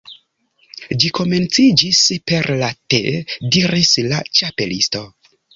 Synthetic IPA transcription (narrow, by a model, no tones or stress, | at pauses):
d͡ʒiko̞me̞nt͡sid͡ʒispe̞ɾlatḛdiɾislat͡ʃape̞listo̞